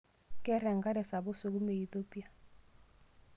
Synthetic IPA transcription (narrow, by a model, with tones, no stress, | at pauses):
kʼɛ˦ɾɛ˨ŋ˨ɡa˦dɛ˨sa˨bʊ˦so˦k̬u˦me˨i˦θo˦pʼi˦a˨